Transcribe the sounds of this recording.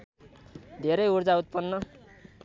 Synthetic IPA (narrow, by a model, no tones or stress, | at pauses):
d̪ʱeɾʌjurd͡zaut̪̚pʌnːʌ